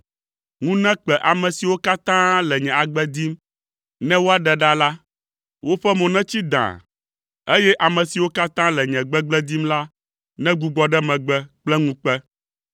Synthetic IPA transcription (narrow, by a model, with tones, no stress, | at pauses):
ŋũ˦nɛ̃˦k͡pɛ˨ʔa˨mɛ̃˨si˨wo˦ka˦t̪ã˦lɛ˨ɲɛ̃˨a˨ɡ͡bɛ˦d̪i˦m | nɛ̃˦wo˦a˨ɖɛ˨ɖa˦la˦ | wo˦ɸɛ˦mɔ̃˨nɛ̃˦t͡ɕi˦d̪ã̰˨ | e˦jɛ˦ʔa˨mɛ̃˨si˨wo˦ka˦t̪ã˦lɛ˨ɲɛ̃˨ɡ͡bɛ˦ɡ͡blɛ˦d̪i˦mla˦ | nɛ̃˦ɡu˦ɡ͡bɔ˨ɖɛ˦mɛ̃˨ɡ͡bɛ˦k͡plɛ˦ŋũ˦k͡pɛ˦